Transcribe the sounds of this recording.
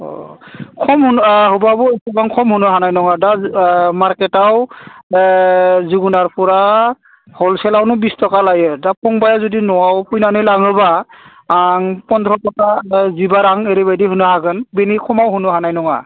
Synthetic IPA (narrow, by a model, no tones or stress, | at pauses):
ɔ̰kʰɔmhunɦɔbabɔɛkɔbaŋkʰɔmhunɔɦanajnɔŋadamaɹkɛtaw | zuɡunaɹpʰɔɹa | hɔlsɛlawnɔbistɔkalajɯdapʰɔŋbajazodinɔwawpʰujnanɯlaŋɯbaː | ŋpɔndɾɔtɔkazibaɾaŋeɾibajdiɦunɯɦaɡɯnbenikʰɔmawɦunɔɦanajnɔŋa̰